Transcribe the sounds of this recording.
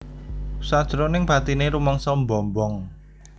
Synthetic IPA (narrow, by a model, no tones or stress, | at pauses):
sad̥ʒ̥ɾɔnɪŋb̥a̤t̪ineɾumɔŋsɔmbɔmbɔŋ